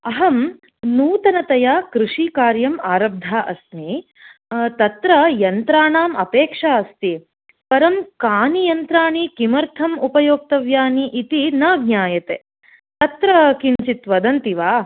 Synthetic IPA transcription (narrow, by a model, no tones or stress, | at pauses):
ɐɦɐm | nuːt̪ɐnɐt̪ɐjaːkɾuʂikaːɾjɐmaːɾɐb̚d̪ʱaːʔɐsmi | t̪ɐt̪ɾɐjɐnt̪ɾaːɳaːmɐpeːkʂaːɐst̪i | pɐɾɐmkaːnijɐnt̪ɾaːɳikimɐɾt̪ʰɐmupɐjoːk̚t̪ɐʋjaːniʔit̪inɐɡnaːjɐt̪eː | t̪ɐt̪ɾɐkint͡ʃit̪ʋɐd̪ɐnt̪iʋaː